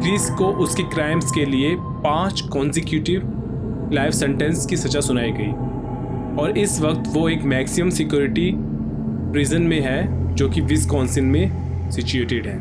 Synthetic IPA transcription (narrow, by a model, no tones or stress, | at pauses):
ɡɾiːskoʔʊskikɾaːɪmskelie | pãːt͡ʃkɔ̃ːnsɪkjuːʈɪʋ | laːɪʋsɛ̃ɳʈɛ̃nskisɐt͡ʃasʊnaːiɡɐḭː | ɔːɾɪsʋɐk̚t̪ʋoeːkmɛːksɪmə̃msɪkjoːɾɪʈi | pɾiːzənmẽɦɛd͡ʒoːkiʋɪskɔ̃ːnsɪ̃nmẽ | sɪt͡ʃueːʈɪɖɦɛ̃ː